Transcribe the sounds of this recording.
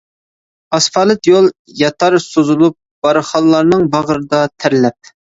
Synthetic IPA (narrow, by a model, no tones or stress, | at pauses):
ɑsfɑːlˠɨt̪jolˠ | jɑt̪ʰɑɾsozulˠup̚b̥ɑɾɨχɑlːˠɑɾnɨŋbɑʁəɾɨd̪ɑt̪ʰæɾlɛp̚